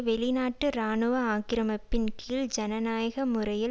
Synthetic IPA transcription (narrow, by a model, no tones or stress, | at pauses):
ʋɛɭɪnaːʈːɯɾaːnɯʋɐaːkɪɾɐmɐpːɪnkiːld͡ʒɐnɐnaːjɐɣɐmʊrɐjɪl